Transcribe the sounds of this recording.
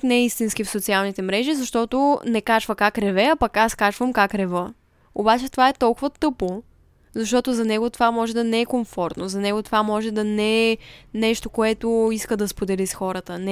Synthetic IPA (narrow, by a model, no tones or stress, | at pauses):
knɛist̪inskifsot̪sialˠnit̪ɛmɾɛʒizɐʃt̪ɔt̪onɛkat͡ʃvəkakɾɛvɛɐpɐkaskat͡ʃvəmkakɾɛvɤ | obat͡ʃɛt̪ovaɛt̪ɔlˠkʊvət̪ɤpo | zɐʃt̪ɔt̪ʊzɐnɛɡʊt̪ovamɔʒɛd̪ɐnɛɛkoɱfɔɾt̪nozɐnɛɡʊt̪ovamɔʒɛd̪ɐnɛnɛʃt̪okoɛt̪ʊiskəd̪ɐspod̪ɛlisxɔɾət̪ənɛ